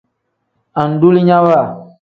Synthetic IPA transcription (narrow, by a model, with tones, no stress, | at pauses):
ã˨n̩˨du˦li˦ɲã˦wa˦˨